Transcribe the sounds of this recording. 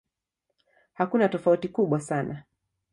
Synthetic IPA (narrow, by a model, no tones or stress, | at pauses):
hakunatɔfautikuɓwasana